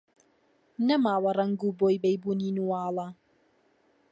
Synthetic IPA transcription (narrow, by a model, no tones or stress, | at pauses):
nɐmaːwɐrɐŋɡuːboːjbejbuːninuwɑːlˠɐ